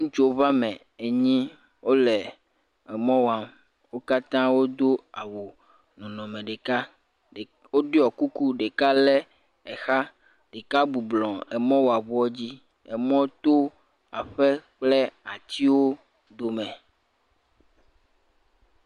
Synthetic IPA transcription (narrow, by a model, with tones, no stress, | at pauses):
ŋũ˦t͡ʃo˨βa˦mɛ̃˨ | e˨ɲĩ˦ | wo˦lɛ˨ | ɛ˨mɔ̃˦wa˨m | wo˦ka˦t̪ã˦wo˦d̪o˦a˨wo˨ | nɔ̃˨nɔ̃˨mẽ˨ɖe˨ka˦˨ | wo˦ɖe˦ɔ˨ku˦ku˦ɖe˨ka˦lɛ˦ | ɛ˨xa˦ | ɖ̥e˨ka˦bu˨blɔ̃˨ɛ˨mɔ̃˦wo˨a˨βu˦ɔ˦d͡ʑi˦ | ɛ˨mɔ̃˦t̪o˦ | a˨ɸɛ˦k͡plɛ˦a˨t̪i˦wo˦ | d̪o˨mɛ̃˨